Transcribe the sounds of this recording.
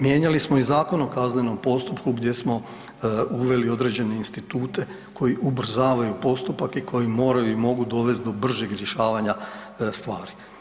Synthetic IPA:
mje̞ɲalismo̞izaːko̞nokazneno̞mpo̞st̪upkuɡd̪ʲje̞smo̞ | uʋe̞lio̞d̪ɾe̞ːd͡ʑe̞ne̞inst̪it̪uːt̪e̞ | kʰo̞jiʔubr̩zaːʋajupo̞st̪upakikʰo̞jimo̞ːɾajuimo̞ɡud̪o̞ʋe̞st̪d̪o̞br̩ʒeɡɾʲjeʃaːʋaɲa | st̪ʋaːɾi

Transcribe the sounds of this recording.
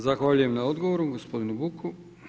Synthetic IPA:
zaxʋaʎujemnaod̪ɡoʋoɾuɡo̞spo̞d̪inubukʰu

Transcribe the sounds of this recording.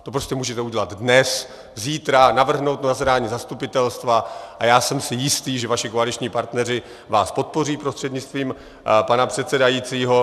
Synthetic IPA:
t̪o̞pɾoscɛmuːʒɛt̪ɛuɟɛlad̪dnɛs | ziːt̪ɾanavr̩ɦno̞wt̪nazɾaːɲiːzast̪upɪt̪ɛlst̪vaʔajaːsɛmsɪjɪst̪iːʒɛvaʃɪkoalɪt͡ʃɲiːpaɾt̪nɛrɪ | vaːspo̞t̪̚po̞riːpɾost̪r̥ɛd̪ɲɪt͡st̪viːm | panapr̥ɛt̪sɛdajiːt͡siːɦo̞

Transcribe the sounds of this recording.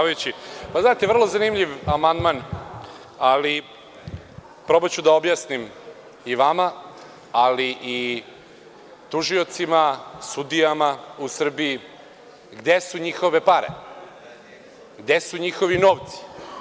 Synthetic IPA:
aajut͡ɕipaznaːt̪eʋr̩lˠo̞zanimʎiʋamand̪man | ali | pɾo̞bat͡ɕud̪ao̞bjasnim | iʋama | aliʔi | t̪uʒio̞t̪simasud̪ijamausr̩biji | ɡd̪esuɲixo̞ʋe̞paɾḛ | ɡd̪e̞suɲixo̞ʋinoːʋt̪si̥

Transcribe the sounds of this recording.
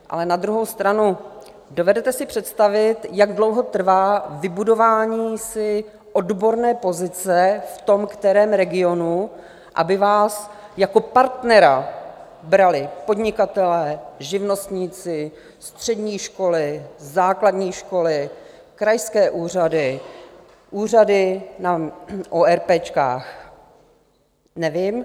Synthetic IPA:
ʔa̰lɛnad̪ɾuɦo̞wst̪ɾanu | do̞vɛdɛt̪ɛsɪpr̝̥ɛt̪st̪avɪt̪jaɡdlo̞wɦo̞t̪r̩vaːvɪbudo̞vaːɲiːsɪ | ʔodbo̞ɾnɛːpo̞zɪt͡sɛft̪o̞mkt̪ɛɾɛːmɾɛɡɪo̞nu | ʔa̰bɪvaːsjako̞paɾt̪nɛɾa | bɾalɪpo̞dɲɪkat̪ɛlɛːʒɪvno̞st̪ɲiːt͡sɪ | st̪r̝̥ɛdɲiːʃko̞lɪzaːkladɲiːʃko̞lɪ | kɾajskɛːʔuːr̝adɪ | ʔuːr̝adɪnaʔoɛɾpɛːt͡ʃka̰ːx | nɛvɪm

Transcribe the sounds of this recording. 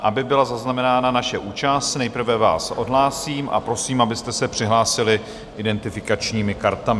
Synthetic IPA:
ʔabɪbɪlazaznamɛnaːnanaʃɛʔuːt͡ʃast̪nɛjpr̩vɛva̰ːsʔo̞dɦlaːsiːmʔa̰pɾo̞siːmabɪst̪ɛsɛpr̥ɪɦlaːsɪlɪ | ʔɪdɛnt̪ɪfɪkat͡ʃɲiːmɪkaɾt̪amɪ

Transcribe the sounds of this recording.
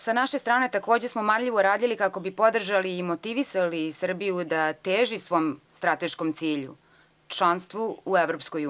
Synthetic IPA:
sanaʃe̞st̪ɾaːne̞t̪ako̞ːd͡ʑesmomaɾʎʲiʋoɾaːd̪ʎilikako̞bipo̞d̪r̩ʒaliːmo̞t̪iʋisalisr̩bijud̪at̪eːʒisʋo̞ːmst̪ɾat̪e̞ʃko̞mt̪siːʎṵ | t͡ʃlˠanst̪ʋuueʋɾo̞psko̞ju

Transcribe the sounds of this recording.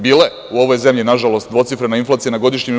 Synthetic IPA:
biːle̞ | uo̞ʋo̞jze̞mʎinaʒalo̞st̪̚d̪ʋo̞t̪sifɾenainflˠaːt̪sijanaɡo̞d̪iʃɲim

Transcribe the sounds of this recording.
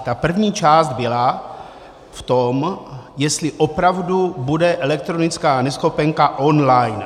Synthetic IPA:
t̪apr̩vɲiːt͡ʃaːst̪̚bɪla | ft̪o̞mjɛst̪lɪʔo̞pɾavdubudɛʔɛlɛk̚t̪ɾo̞nɪt͡skaːnɛsxo̞pɛŋkaʔo̞nlajn

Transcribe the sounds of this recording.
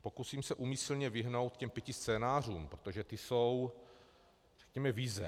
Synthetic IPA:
po̞kusiːmsɛʔumislɲɛvɪɦno̞wt̪cɛmpjɛcɪst͡sɛːnaːr̝uːmpɾot̪oʒɛt̪ɪso̞w | r̥ɛ̥kɲɛmɛvɪzɛ

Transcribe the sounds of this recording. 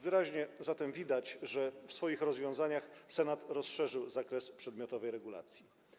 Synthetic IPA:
vɘɾaʑɲɛzat̪ɛmvʲid̪at͡ɕʐɛfsfɔjixɾɔzvʲjɔ̃zaɲaxsɛnat̪ɾɔsʂɛʐɘwzakɾɛspʂɛd̪mʲjɔt̪ɔvɛjɾɛɡula̰t̪sʲji

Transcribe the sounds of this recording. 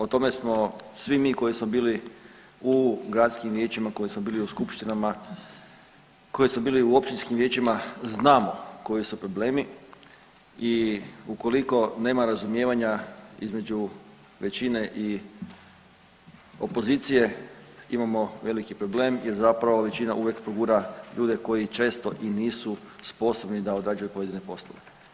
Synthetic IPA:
ot̪o̞me̞smo̞sʋimiːko̞jismo̞biːli | uɡɾat̪skimʋje̞ːt͡ɕimako̞jismo̞biːliuskupʃt̪inama | ko̞jismo̞biːliuo̞pʃt̪inskimʋje̞ːt͡ɕimaznaːmo̞ko̞jisupɾo̞ble̞ːmi | iuko̞liko̞ne̞ːmaɾazumje̞ːʋaɲaḭzme̞d͡ʒu | ʋe̞t͡ɕine̞ʔi | o̞po̞ziːt̪sije̞imamo̞ʋe̞likipɾo̞ble̞ːmje̞ɾzapɾaʋo̞ʋe̞t͡ɕinaʔuʋje̞kpɾoɡuːɾaʎuːd̪e̞ko̞jit͡ʃe̞ːst̪o̞ʔiniːsuspo̞so̞bnid̪ao̞d̪ɾad͡ʒujupo̞ʋe̞d̪inepo̞slˠoʋe̞

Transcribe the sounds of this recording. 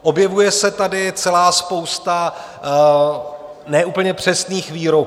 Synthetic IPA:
ʔo̞bjɛvujɛsɛt̪adɪt͡sɛlaːspowst̪a | nɛʔuːpl̩ɲɛpr̝̥ɛsniːxviːɾok

